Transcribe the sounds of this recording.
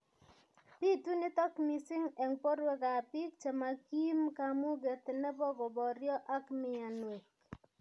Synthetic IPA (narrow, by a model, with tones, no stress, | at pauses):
pi˦tu˦nɪ˦tɔ˦kmi˨sɪ˦ŋɛ˨ŋpo˦ɾwe˦ka˨pɪ˦k̚t͡ʃe˨ma˨ki˦mka˨mu˦ɡe˨t̪ɪ˨nɛ˦bɔ˦ɡɔ˨bɔ˨ɾjɔ˦ʔa˦kmɪ˦˨a˨nwe˨k̚